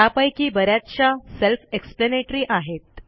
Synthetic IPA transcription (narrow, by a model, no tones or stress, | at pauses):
apajkiːbəɾjat̪t͡ɕaselfekspleneʈɾiːʔaɦet̪̚